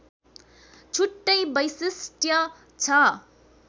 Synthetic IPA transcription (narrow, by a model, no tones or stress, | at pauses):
t͡sʰuʈːʌjbʌjsisʈʰjʌ | t͡sʰʌ